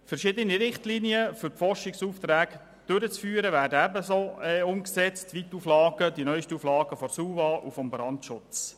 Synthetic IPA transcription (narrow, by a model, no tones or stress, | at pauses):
fɛɾʃɪd̪əniɾɪχtliniəfʏɾfɔrʃɪksuːft̪ɾæːɡ | d̥øɾət͡sfyːɾəʋæːdəæbəsoːɛʊmksɛt͡stʋit̪uflɑːɡ̥ədinœʏʃtəuːflɑːɡ̥əfɔɾsuːʋɑːʔufɔmbɾɑntʃʊt͡s